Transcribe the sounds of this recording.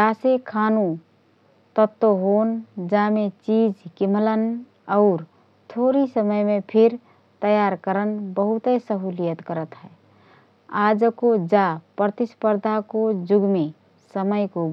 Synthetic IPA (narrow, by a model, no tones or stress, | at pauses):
asekʰanu | t̪ət̪ːoɦond͡ʒamet͡ʃid͡ʒkimlən | ɔʊɾ | t̪ʰoɾisəməjmepʰiɾ | t̪əjaɾkəɾənbəɦut̪əsəɦulijət̪kəɾət̪ɦɛ | ad͡ʒkod͡ʒapɾət̪ispəɾd̪ʱakod͡ʒuɡme | səməjko